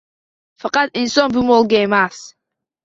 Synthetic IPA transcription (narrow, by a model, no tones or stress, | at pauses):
faqʼɑt̪ʼinsʼɔnbɨmɔlˠɡejmas